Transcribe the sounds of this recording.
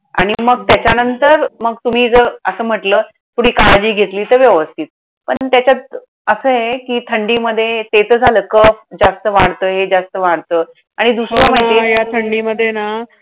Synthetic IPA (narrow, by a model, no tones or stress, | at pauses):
a̰ɽ̃iməɡ̚t̪jat͡ɕanənt̪əɾməɡt̪um̤iːd͡zəəsəːm̤əʈləː | t̪ʰuɽ̤iːkaɭad͡ʑiːɡʱet̪liːt̪əɾʋjəʋəst̪ʰiːt̪̚ | pəɳt̪jat͡ɕat̪̚ | əsəːɦekiːt̪ʰəɳɖiːməd̪ʱːjet̪et͡səd͡zʱaləːkəfd͡zast̪əʋaɽt̪əːɦed͡zast̪əʋaɽt̪əː | aɽ̃id̪usɾəməɦit̪ejat̪ʰəɳɖiːməd̪ʱːjena